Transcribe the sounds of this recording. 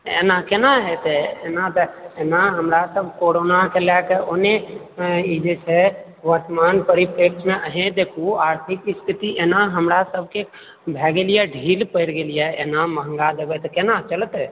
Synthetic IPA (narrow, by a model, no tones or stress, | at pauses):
ḛːnakenaɦet̪eeːnat̪enaɦəmɾasəbʱkoːɾoːnakelɛkeone | id͡ʒet͡ʃʰɛ | ʋəɾt̪əmaːnpəɾipeːk̚ʈʰmẽʔəɦẽd̪eːkʰuaːɾt̪ʰikist̪ʰɪt̪iʔenaɦəmɾasəb̚ʱke | bʱɛːɡelijeɖʱiːlpəɪɾɡelijɛeːnaməɦə̃ŋɡad̪eːbɛt̪kenat͡ʃələt̪e